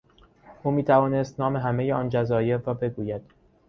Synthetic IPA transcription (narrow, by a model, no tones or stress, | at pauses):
ʔuːmiːt̪ʰævɒːnest̪nɒːme̞ɦæmejeɒːnd͡ʒæzɒːje̞ɾrɒːbe̞ɡuːjæd̪̥